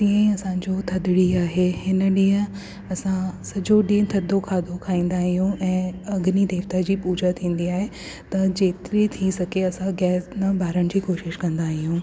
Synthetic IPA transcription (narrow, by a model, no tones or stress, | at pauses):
t̪ĩə̃ĩɐsãɲd͡ʑot̪ʰɐd̪ɪɽiaːɦeɦɪnə̆ɗĩːɦə̃ | ɐsãsɐd͡ʑoɗĩːt̪ʰɐd̪ʱokʰaːd̪ʱokʰaːĩːn̆d̪aːɦijũɛ̃ːɐɡnid̪eːʋt̪ad͡ʑiːpuːd͡ʑat̪ʰĩːnd̪iaːɦe | t̪ɐd͡ʑeːt̪ɪɾit̪ʰisɐɡʱeɐsãɡɛːsnɐbʱaːɾəɽ̃ɪ̆d͡ʑiːkoːʃɪʃkɐ̃nd̪aːɦijũː